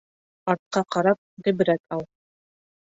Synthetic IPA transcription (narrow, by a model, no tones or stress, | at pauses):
ɑɾt̪̚qɑqɑɾɑp̚ʁibɘ̆ɾæt̪ɑw̪ˠ